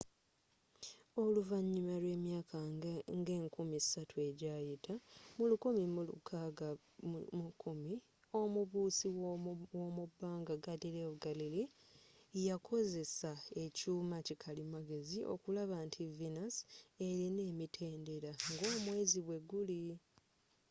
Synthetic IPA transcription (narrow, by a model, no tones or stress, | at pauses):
o̞luvaɲːimalwe̞ːmjaːkʰaŋɡe̞ːŋkumisatue̞ɟaːjitʰamulukumimulṵkʰaɡa | ukumi | o̞muβuːsiwomubːaːŋɡaɡadiɾeβuɡalili | jakʰo̞ze̞sae̞cuːmacikʰalimaɡe̞ziʔo̞̰kulaβantʰivinase̞ɾine̞ːmitʰe̞ːnde̞ɾaŋɡoːmwe̞ːziβwe̞ɡuli